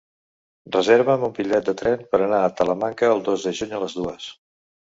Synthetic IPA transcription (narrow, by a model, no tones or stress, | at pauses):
rəzeɾβəmumbiʎɛt̪̚d̪ət̪ɾɛnpəɾənaət̪ələmaŋkəːlˠd̪ozd̪əʒuɲələzðuəs